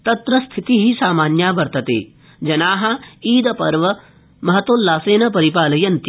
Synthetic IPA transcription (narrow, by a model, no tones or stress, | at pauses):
t̪ɐt̪ɾɐst̪ʰit̪iɦisaːmaːnjaːʋɐɾt̪ɐt̪ḛː | d͡ʒɐnaːɦɐiːd̪ɐpɐɾʋɐ | mɐɦɐt̪oːlːaːseːnɐpɐɾipaːlɐjɐnt̪